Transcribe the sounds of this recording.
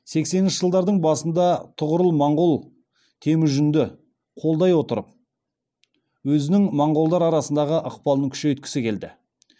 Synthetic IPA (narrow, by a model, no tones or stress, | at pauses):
se̞ksenɪnʃəʒəlˠd̪ɑɾd̪əɴbɑsənd̪ɑt̪ʰʊʁəɾəlˠmɑɴʁolˠ | t̪ʰe̞mɪʒʏnd̪ɪ | qʰo̞lˠd̪ɑjwo̞t̪əɾəp̚ | wɵzɪnɪŋmɑɴʁo̞lˠd̪ɑɾɑɾɑsənd̪ɑʁəʔəqpɑlˠnəŋkʲʰʏ̥ʃe̞jʏt̪̚kʲɪ̥sɪkʲʰe̞ld̪ɪ̰